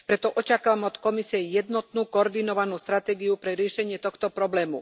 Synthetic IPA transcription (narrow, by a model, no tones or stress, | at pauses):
pɾɛt̪ɔʔɔt͡ʃakaːʋamɔt̪kɔmisiɛjɛd̪nɔt̪nuːkɔɔɾd̪inɔʋanuːst̪ɾat̪ɛːɡiupɾɛɾɪɛʃɛɲɪɛt̪ɔxt̪ɔpɾɔblɛːmṵ